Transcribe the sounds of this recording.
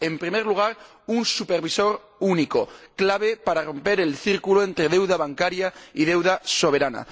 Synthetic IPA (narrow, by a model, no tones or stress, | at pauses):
e̞mpɾimeɾluɣ̞aɾ | unsupe̞ɾβiso̞ɾ | unikoklaβ̞e̞paɾaro̞mpe̞ɾe̞lθiɾkuloe̞nt̪ɾe̞ðe̞wðaβ̞aŋkaɾjaið̞e̞wðaso̞β̞e̞ɾana̰